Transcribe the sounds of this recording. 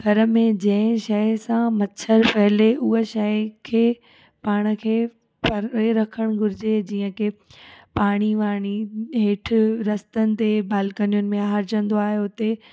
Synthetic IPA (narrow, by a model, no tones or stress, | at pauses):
ɡʱɐɾə̆mẽd͡ʑɐ̃ɦɪ̃ʃɐsãmɐtːt͡ɕʰəɾpɐɦɪleʔuɦeʃɐkʰeː | paːɽ̃ə̆kʰeː | pɐɾeɾɐkʰəɽ̃ɡʱʊɾɪd͡ʑed͡ʑiːə̃kepaːɽ̃iʋaːɽ̃iɦeːʈ̆ʰɾɐst̪ənɪ̆t̪ebaːlkənijʊnɪ̆mẽaːɾd͡ʑə̃nd̪oaːɦeʊt̪e